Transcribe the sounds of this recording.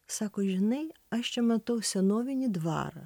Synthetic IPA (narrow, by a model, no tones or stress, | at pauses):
sɐkɔʒnɪj | ɐʃt͡ʃɛmɐt̪ɔwsʲɐnɔʋʲinʲid̪ʋɑ̰ɾɪ